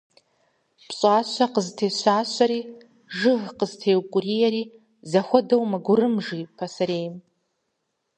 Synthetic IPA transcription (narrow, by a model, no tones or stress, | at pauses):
pʰɕʼaɕʷaqəztʰejʃʷaːɕʷaɾi | ʐɨʁqəztʰejwkʷʼurijaɾi | zaχʷʊdowmaɡʷʊɾɨmʐipʰasaɾejm